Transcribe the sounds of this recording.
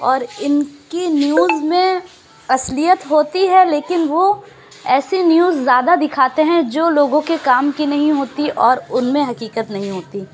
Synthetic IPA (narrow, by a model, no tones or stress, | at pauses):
ɔːɾɪnkinjuːzmẽ | ɐslijət̪ɦoːt̪iɦɛleːkɪnʋo | ɛːsinjuːzːjaːd̪ad̪ɪkʰaːt̪eɦɛ̃d͡ʒoːloːɡõkekaːmkinɐɦĩɦoːt̪iʔɔːɾʊnmẽɦɐkiːkət̪nɐɦĩɦoːt̪iː